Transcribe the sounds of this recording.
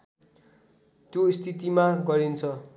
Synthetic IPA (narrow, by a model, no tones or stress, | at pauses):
t̪joist̪ʰit̪imaɡʌɾint͡sʰʌ